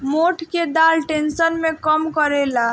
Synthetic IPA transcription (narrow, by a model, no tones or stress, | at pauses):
moʈʰked̪alʈensənmekəmkəɾela